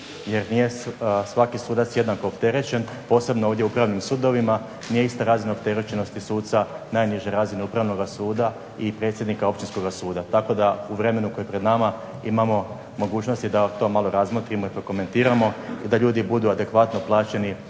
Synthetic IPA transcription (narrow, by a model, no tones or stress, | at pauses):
je̞ɾnije̞sʋakisuːd̪at̪sje̞d̪nako̞ːpt̪e̞ɾe̞t͡ɕe̞n | po̞ːse̞bnooːʋd̪jeupɾaʋnimsuːd̪o̞ʋima | nije̞ist̪aɾaːzinaop̚t̪e̞ɾet͡ɕeno̞st̪isuːt̪t̪sanaːjniʒeɾaːzineupɾaʋno̞ɡasuːd̪a | ipɾe̞ːt̪sjed̪nikao̞pt͡ʃt̪insko̞ɡasuːd̪at̪ako̞d̪auʋɾe̞me̞nukojepɾe̞d̪nama | imamo̞ | mo̞ɡuːt͡ʃno̞st̪id̪at̪o̞malo̞ɾazmot̪ɾimo̞ipɾo̞ko̞me̞nt̪iːɾamo̞id̪aʎuːd̪ibud̪uad̪e̞kʋat̪no̞plˠaːt͡ɕe̞ni